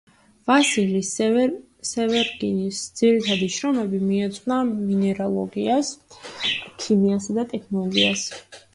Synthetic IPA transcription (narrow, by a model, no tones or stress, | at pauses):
vasilis | sɛvɛɾɡinisd̪z̥iɾit̪ʰad̪iʃɾɔmɛbimiɛt̪sʼnaminɛɾalˠɔɡias | kʰimiasad̪at̪ʼɛkʰnɔlˠɔɡias